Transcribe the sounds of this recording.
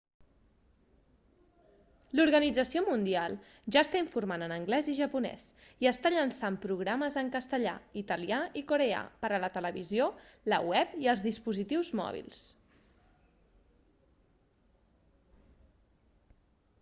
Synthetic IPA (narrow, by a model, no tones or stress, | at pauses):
luɾɣənid͡zəsiomund̪ialˠʒaəst̪aiɱfurmanənəŋɡlɛziʒəpunɛ̰siəst̪aʎənsampɾuɣ̞ɾaməzəŋkəst̪əʎa̰it̪əliaikuɾea̰pəɾələt̪ələβiziolə̰wɛpiəlˠzðispuzit̪iwzmɔ̰βḭlˠs